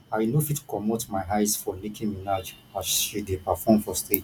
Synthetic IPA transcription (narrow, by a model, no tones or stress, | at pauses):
awinofitʰu̥kɔmotmaɪɦaɪsfɔlikʰĩminad͡ʒ | aʃidepafɔmfɔstʰed͡ʒ